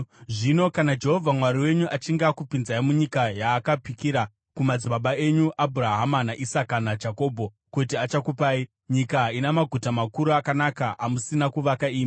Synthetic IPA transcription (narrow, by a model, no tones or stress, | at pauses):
ʐino̞kanad͡ʒe̞ɦo̞vʱamwaɾiwe̞ɲuʔat͡ʃiŋɡakupinzaimuɲikajaːkapikiɾa | kumad͡ziɓaɓae̞ɲuʔabʱuraɦamanaʔisakanad͡ʒako̞ːbʱo̞ | kutiat͡ʃakupaːi | ɲikainamaɡʱutamakuɾuakanakaʔamusinakuʋakaiːmi